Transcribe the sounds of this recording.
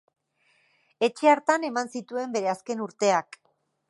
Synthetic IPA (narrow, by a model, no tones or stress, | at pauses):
e̞t͡ʃe̞aɾt̪ane̞mansit̪ue̞mbe̞ɾe̞aske̞nuɾt̪e̞ak